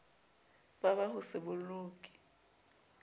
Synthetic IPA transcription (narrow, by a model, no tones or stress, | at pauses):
babahʊsɪbʊlʊːkʼi̥